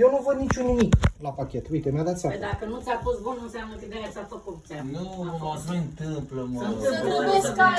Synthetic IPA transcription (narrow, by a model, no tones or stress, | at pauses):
jewnuvəd̪nit͡ʃʲunːumiklapakʲe̞t̪ujt̪emʲad̪at̪sad̪akənut̪sʲafost̪bununsjamnəkəid̪ejat͡ʃafəkut̪t͡s̪anuaɨnt̪ɨmpləmnt̪ɨmpləeska